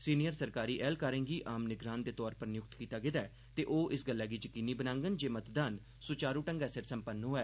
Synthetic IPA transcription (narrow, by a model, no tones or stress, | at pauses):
siːnijəɾsəɾkaːɾiːʔɛːlkaːɾə̃ːŋɡiːʔaːmnɪɡɾaːnd̪eːt̪ɔːɾpəɾnɪjʊk̚t̪kiːt̪aːɡɪd̪aː | t̪eːʔoːʔɪsɡəlːaːɡiːd͡ʒəkiːniːbənãːŋɡənd͡ʒeːmət̪d̪aːn | sʊt͡ʃaːɾuːʈəŋɡɛːsəɾsəmpənːɦoːɛː